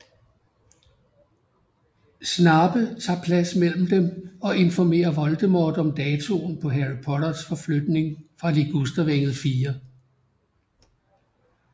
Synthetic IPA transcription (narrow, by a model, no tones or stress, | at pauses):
snɑ̈ːb̥ət͡sʰɑ̰̈ːpʰlæsmel̰m̩d̥emɒ̽ʔe̝nfɒme̝̰ːɐʋɒ̽ld̥əmɒːd̥ɒ̽md̥ɛːt͡sʰo̝npʰɒ̽ɦæʁipʰɒɾ̥ɐsfɒ̽flød̥ne̝ŋfʁɑ̈liɡ̥usd̥ɐʋeŋ̰ð̞̩ˠfiːɐ